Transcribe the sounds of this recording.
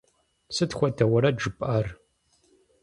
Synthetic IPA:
sɨtxʷɔdʰɐwɐɾɐd͡ʒɨpʼʔar

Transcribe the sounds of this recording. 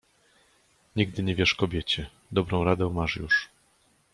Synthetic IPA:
ɲiɡ̚d̪ɘɲɛvʲjɛʂkɔbʲjɛt͡ɕɛ | d̪ɔbɾɔ̃w̃ɾad̪ɛwmaʂjṵʂ

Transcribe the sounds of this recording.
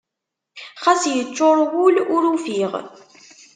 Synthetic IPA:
χæsjət͡sːʊɾˤwʊlʊɾufiʁ

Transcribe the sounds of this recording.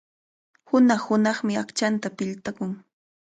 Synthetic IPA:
hʊnɑχhʊnɑχmɪakt͡ʃant̪apɪʎt̪akʊŋ

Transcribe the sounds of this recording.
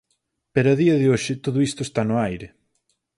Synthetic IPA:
peɾɐaðiɐðɪoʃɪt̪oðʊist̪ʊest̪anʊajɾɪ

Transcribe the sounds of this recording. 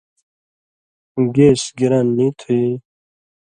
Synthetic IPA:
ɡeːsɡiɾanːit̪ʰue

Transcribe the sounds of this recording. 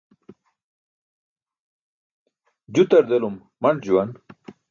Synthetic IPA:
d͡ʑut̪ɐɾd̪elumːɐɳʈd͡ʑuwɐn

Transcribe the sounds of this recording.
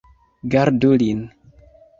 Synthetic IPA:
ɡaɾdulin

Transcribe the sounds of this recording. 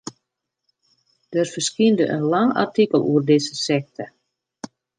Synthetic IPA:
d̥ərfərskiəndəʔə̰nlaŋa̰rtikəlˠuərdɪzəsɛk̚tʰə

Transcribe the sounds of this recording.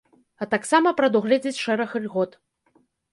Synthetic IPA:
ɐt̪aksamɐpɾɐd̪uɣlʲɛd͡zʲet͡sʲʂɛɾɐxɐlʲɣɔt̪

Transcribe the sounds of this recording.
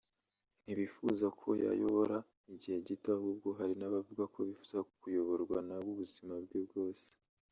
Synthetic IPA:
n̥iβifuzakʰo̞̰ja̰joβo̞ɾa | iɟihe̞ɟitahub̚ɡo̞ɦaɾinaβavuɡakʰo̞βifuzakujo̞βo̞ɾɡwanabɡuβuzimab̚ɡebɡo̞ːse̥

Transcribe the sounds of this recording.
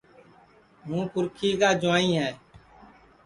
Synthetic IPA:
ɦũːpʊɾkʰiːkaːd͡ʒʊaːĩːɦɛː

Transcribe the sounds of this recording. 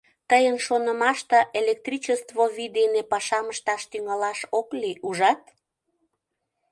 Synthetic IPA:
t̪əjənʃonə̆mɑʃt̪əʔelek̚t̪rit͡ɕəst̪voβid̪enepɑʃɑməʃt̪ɑʃt̪yŋɑlɑʃokliʔuʒɑt̪̚

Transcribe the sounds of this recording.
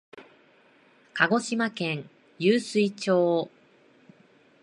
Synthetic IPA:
kaɡo̞ɕimakẽ̞ŋ | jɨːsɨit͡ɕoː

